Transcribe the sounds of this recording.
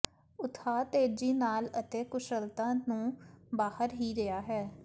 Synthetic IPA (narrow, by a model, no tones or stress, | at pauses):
ʊt̪ʰaːt̪eːd͡ʒiːnaːlət̪eːkʊʃəlt̪ãːnũːbaːhəɾɦiːɾɪaːɦɛː